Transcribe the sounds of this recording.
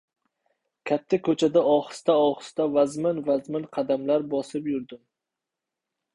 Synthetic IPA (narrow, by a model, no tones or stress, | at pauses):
kʲʰat̪ʰːakʰɵt͡ʃʰad̪aɒχɨ̥st̪aɒχɨ̥st̪avazmɪnvazmɪnqʰɑd̪amlaɾbɒsɪpjʊɾd̪ɪm